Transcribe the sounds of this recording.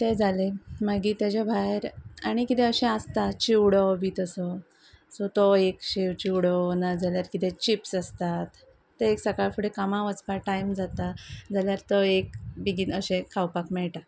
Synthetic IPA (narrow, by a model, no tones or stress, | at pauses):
t̪ed͡zalemaɡiːt̪jad͡ʑebʱajɾaɽ̃ikit̪ɛ̃əɕɛ̃ast̪at̪t͡ɕiwɽɔbʱiːt̪əsɔ | sɔt̪ɔekɕiʋt͡ɕiwɽɔnad͡zaljaɾkit̪ɛ̃t͡ɕipsast̪at̪ː | eeksəkaɭfuɽekamaʋət͡sbaʈajmd͡zat̪ad͡zaljaɾt̪ɔekbiɡinəɕẽkʰawpakmɛɭʈa